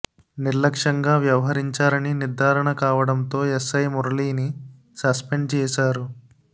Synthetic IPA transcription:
niɾlɐkʂɐŋɡaːʋjɐʋɐɦɐɾiɲt͡ʃaːɾɐniniɾd̪ʱaːɾɐɳɐkaːʋɐɽɐnt̪o̞ːesɐjmuɾliːni | sɐspe̞ɳɖt͡ʃɛːsaːɾu

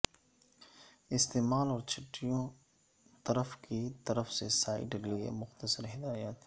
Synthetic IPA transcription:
ɪst̪eːmaːlɔːɾt͡ʃʰɪʈːijõ | t̪ɐɾəfkit̪ɐɾəfsesaːɪ̰ʈeliḛmʊxt̪əsəɾɦɪd̪aːjat̪

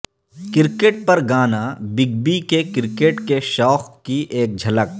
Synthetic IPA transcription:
kɪɾkeːʈ̚pɐɾɡaːnabɪɡ̚bikekɪɾkeːʈkeʃɔːxkiʔeːk̚d͡ʒʱɐlək̚

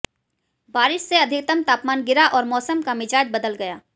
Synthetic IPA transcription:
baːɾɪʃseɐd̪ʱɪkt̪əmt̪aːpmaːnɡɪɾaʔɔːɾmɔːsəmkamɪd͡ʒaːd͡ʒbəd̪əlɡɐjaː

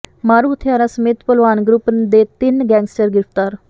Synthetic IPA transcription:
maːɾuːt̪ʰɪjaːɾaːsəmeːt̪pəlʋaːnɡɾʊpd̪eːt̪ɪnɡɛ̃ːŋɡsʈəɾɡɪɾəft̪aːɾ

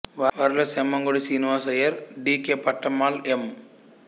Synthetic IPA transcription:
ʋaːʋaːɾilɐsemːɐŋɡoɽisiːniʋaːsɐjɐɾɖiːkeːpɐʈːɐmaːlem

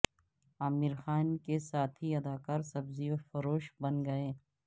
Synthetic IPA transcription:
aːmiɾxaːnkesaːt̪ʰiɐd̪aːkaːɾsɐbziofɐɾoːʃbɐnɡɐeː

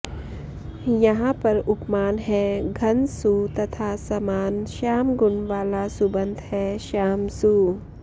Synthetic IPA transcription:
jɐɦãpɐɾʊpmaːnɦɛɡʱɐnsut̪ɐt̪ʰaːsɐmaːnʃaːmɡʊnʋaːlasubə̃nd̪ʱhɛːʃaːmsuː

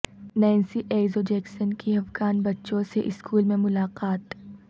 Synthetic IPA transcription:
nɛːnsiʔeːzod͡ʒɛːksənkiɦɐfɡaːnbɐtːʃõseʔɪskuːlmẽmʊlaːqaːt̪

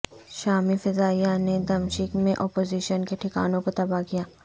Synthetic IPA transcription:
ʃaːmifɪzaːijaned̪ɐmʃɪkmẽʔɔːpoːziʃənkeʈʰɪka̰ːnõkot̪ɐbakijaː

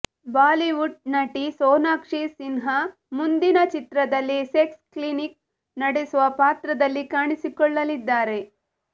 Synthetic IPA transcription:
baːliʋuʈ̚nɐʈisɔːnaːkʂisinɦɐ | mund̪inɐt͡ʃit̪ɾɐd̪ɐlːiseksklinik̚ | nɐɽesuʋɐpaːt̪ɾɐd̪ɐlːikaːɳisikɔɭːɐlid̪ːaːɾe̞

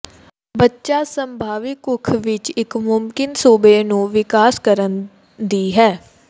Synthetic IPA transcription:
bətːʃaːsəmbʱaːʋɪkʊkʰʋɪt͡ʃɪkmʊmkɪnsoːbeːnũːʋɪkaːskəɾən | d̪iːɦɛː

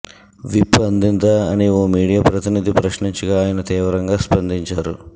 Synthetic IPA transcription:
ʋipːɐnd̪int̪aɐnioːmiːɽijaːpɾɐt̪inid̪ʱipɾɐʃniɲt͡ʃiɡaːjɐnɐt̪iːʋɐɾɐŋɡaːspɐnd̪iɲt͡ʃaːɾu

